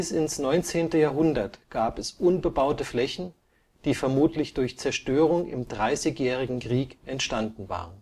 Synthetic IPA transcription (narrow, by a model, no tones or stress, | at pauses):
ɪsɪnsnɔʏnt͡seːntəjaːɐɦʊndɐtɡ̥aːpɛsʔʊnbəbaʊtəflɛçn̩ | d̥iːfɛɐmuːtlɪçd̥ʊɐçt͡sɛɐʃtøːʁ̞ʊŋɪ̰mdʁaɪsɪçjɛːʁ̞ɪɡŋ̩kʁ̥iːkʔɛntʃtandn̩va̰ːʁən